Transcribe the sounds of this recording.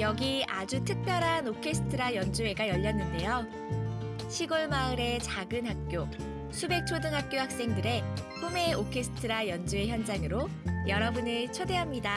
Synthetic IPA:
jʌɡiʔad͡ʑutʰɯk̚p͈jʌɾɦanokʰe̞sʰɯ̥tʰɯɾajʌnd͡ʑue̞ɡajʌʎːʌnːɯnde̞jo | ɕʰiɡoɭmaɯɾe̞t͡ɕaɡɯnɦak̚k͈jo | sʰube̞k̚t͡ɕʰodɯŋɦak̚k͈johak̚s͈e̞ŋdɯɾe̞pʰume̞okʰe̞sʰɯ̥tʰɯɾajʌnd͡ʑue̞çjʌnd͡ʑaŋɯɾo | jʌɾʌbunɯɭt͡ɕʰode̞ɦamɲida

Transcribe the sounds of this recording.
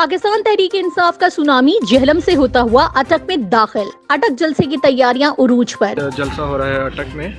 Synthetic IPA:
paːkɪst̪aːnt̪ɛɦɾiːkeɪnsaːfkasʊnaːmid͡ʒɛɦləmseɦoːt̪aɦuaʔɐʈəkmẽd̪aːxɪlɐʈək̚d͡ʒɐlsek̬it̪ɐjːaːɾijãʔʊɾuːd͡ʒpɐɾd͡ʒɐlsaɦoːɾaɦɛɐʈəkmẽː

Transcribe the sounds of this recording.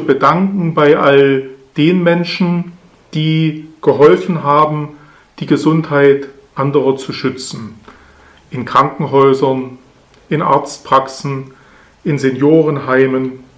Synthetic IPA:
bədaŋkŋ̩baɪʔald̥eːnmɛnʃn̩ | d̥iːɡ̥əɦɔlfn̩ɦaːbm̩ | d̥iːɡəzʊnthaɪt | ʔandəʁɐt͡suʃʏt͡sn̩ | ʔɪnkʁ̥aŋkŋ̩ɦɔʏzɐn | ʔɪnʔa̰ɐt͡stpʁ̥aksn̩ | ʔɪnzenjoːʁ̞ənɦaɪmən

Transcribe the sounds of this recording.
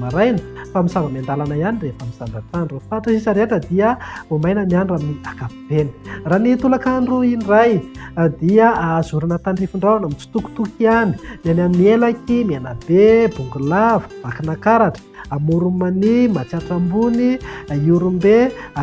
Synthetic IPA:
maɾajnə̥famisavamand̪alanajanirefamisaɳɖ͡ʐaʈ͡ʂanɖ͡ʐofaʈ͡ʂəsisaɾeaʈ͡ʂəd̪iəomajnənianaminiakapiveni̥ranit̪ulakaɳɖ͡ʐuinirajd̪iəazuɾunat̪aɳɖ͡ʐifuɳɖ͡ʐawanamit͡su̥t̪uku̥t̪ukiani̥nanammielakʲimianabebuŋɡulavu̥b̥akinakaɾaʈ͡ʂə̥amuɾumanimat͡saʈ͡ʂambuniuɾumbe

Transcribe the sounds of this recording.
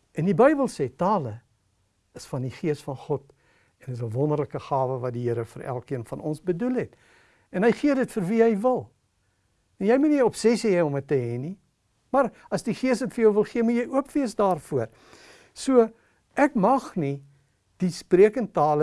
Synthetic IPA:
ɛndibəjbəlˠseːtɑːlə | əsfɐndiχiəsfɐnχɔt | ɛnəs̬əvɔnərləkəχɑːvəvɐt̚diɦəɾəfəræ̰lˠkiənfɐnɔnsbədulɦɛt | ɛnɦəjχiədətfərviɦɛjvəlˠ | jɛjmuniɔpsɛsiɛjɔmətːəɦɛni | mɐrɐsdiχiəsdətfərjəwvəlˠχiəmutjɛjuəpviəsdɑːrfuər | suə | ʔækmɐχni | d̥ispriəkəntɑːlə

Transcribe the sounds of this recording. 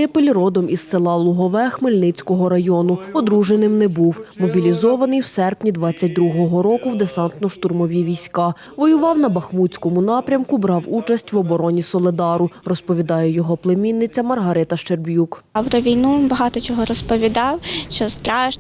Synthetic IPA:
ɪpelʲrɔd̪ɔmisselˠɑlˠʊɦɔʋɛxmɪlʲnɪt͡sʲkɔɦɔɾɐjɔnʊpɔd̪ɾuʒenɪmnɛbuwmɔbʲilʲizɔʋɐnɪjwsɛrpnʲid̪ʋɑt͡sʲːɐt̚ʲd̪ɾuɦɔɦɔɾɔkʊwd̪esɑnt̪nɔʃt̪ʊrmɔʋʲiʋʲijsʲkɑ | ʋɔjʊʋɑwn̪ɐbɐxmut͡sʲkɔmʊnɑpɾʲɐmkʊbɾɑwut͡ʃɐsʲtʲʋɔbɔɾɔnʲisɔlˠɪd̪ɑɾʊrɔspɔʋʲid̪ɑjɛjɔɦɔplˠemʲinːɪt͡sʲɐmɐrɦɐɾɪt̪ɐʃt͡ʃerbʲjukɐwɾɔʋʲijnubɐɦɑt̪ɔt͡ʃɔɦɔɾɔspɔʋʲid̪ɑwt͡ʃɔst̪ɾɑʒ

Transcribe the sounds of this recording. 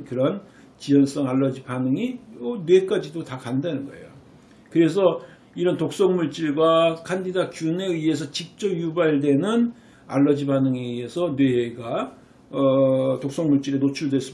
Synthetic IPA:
kɯɾʌn | t͡ɕijʌns͈ʌŋaɭːʌd͡ʑibanɯŋiʌnwe̞k͈ad͡ʑidotakandanɯnɡʌe̞̰jo̰ | kɯɾe̞s̬ʰʌ | iɾʌntok̚s͈ʌŋmuɭt͡ɕ͈iɭɡwakʰandidakjune̞ɯe̞s̬ʰʌt͡ɕik̚t͡ɕ͈ʌbjubaiɭdwe̞nɯn | a̰ɭːʌd͡ʑibanɯŋiesʰʌnwe̞ɡa | ʌtok̚s͈ʌŋmuɭt͡ɕ͈iɾenot͡ɕʰuɭdwe̞s͈u

